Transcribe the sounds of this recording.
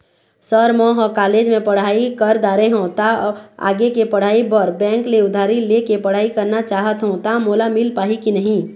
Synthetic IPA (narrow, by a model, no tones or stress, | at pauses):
səɾmɔ̃ːɦɔːkaːleːd͡ʒmẽpɐɽ̤aːikəɾd̪aːɾeɦõt̪aa̰ːɡekepɐɽ̤aːibəɾbɛ̃ːŋkleʊd̪ʱaːɾilekepɐɽ̤aːikəɾnat͡ʃaːɦət̪ɦõt̪amoːlamɪlpaːɦikinəɦĩː